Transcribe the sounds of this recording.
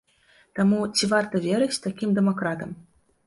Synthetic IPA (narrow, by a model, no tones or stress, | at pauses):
t̪amut͡sʲivart̪ɐvʲeɾɨt͡sʲt̪akʲimd̪ɛmakɾat̪ɐm